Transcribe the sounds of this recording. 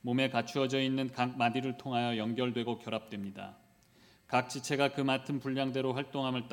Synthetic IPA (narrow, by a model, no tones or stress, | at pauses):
mome̞kat͡ɕʰuʌd͡ʑʌinːɯnkak̚madiɾɯɭtʰoŋɦajʌjʌŋɡjʌɭdwe̞ɡokjʌɾap̚t͈we̞mɲida̰ | kak̚t͡ɕ͈it͡ɕʰe̞ɡakɯmatʰɯmpuʎːaŋde̞ɾoɸwaɭt͈oŋɦamɯɭt͈